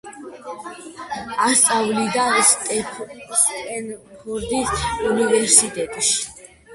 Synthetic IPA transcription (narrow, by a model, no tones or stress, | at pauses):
ast̪sʼavlid̪ast̪ʼɛptʼɛnχuɾd̪isunivɛɾsit̪ʼɛt̪ʼʃi̥